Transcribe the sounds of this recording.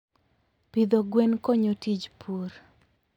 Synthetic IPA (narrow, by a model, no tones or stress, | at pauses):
pid̪oɡwenkoɲotid͡ʒpʰuɾ